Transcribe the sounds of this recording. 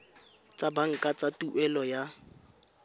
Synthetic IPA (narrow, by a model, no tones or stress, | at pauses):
t͡sʼabaŋ̩kʼat͡sʼatuʔɛlɔja